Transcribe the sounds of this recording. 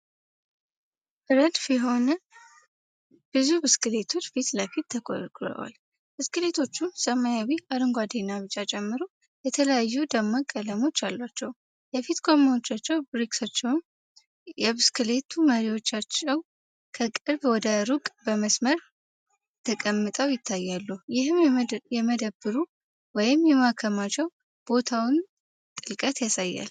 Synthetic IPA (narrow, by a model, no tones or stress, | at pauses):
ʔɨɾəd̪fiɦo̞nə | b̥ɨzubɨskɨle̞t̪ʰo̞t͡ʃːfit̪ləfit̪ʰːəkʼkʰʼɾə̰wa̰l | b̥ɨskɨle̞t̪ʰo̞t͡ʃːumsəmajawiʔaɾɨŋɡʷad̪enːaβɨt͡ʃʼːat͡ʃʼɛmːɨɾo | jɛt̪ʰələjajːud̪əmːakʼələmo̞t͡ʃːalːwat͡ʃːɛw | jɛfit̪kʰʼo̞mawot͡ʃːat͡ʃːɛwbɾiksat͡ʃːɛwm | jɛβɨskʰɨle̞t̪ʰuməɾiwo̞t͡ʃːat͡ʃːɛw | kʰəkʼɨɾbwɔd̪əɾukʼbəməsməɾ | t̪ʰəkʼəmːɨt̪ʼəwjɪt̪ʰːajːalːujɪhɨmjɛməd̪əbɨɾu | wɔjɪmjɛmakʰəmat͡ʃːɛw | b̥o̞t̪ʰawn | t̪ʼɨlkʼət̪jasajːa̰l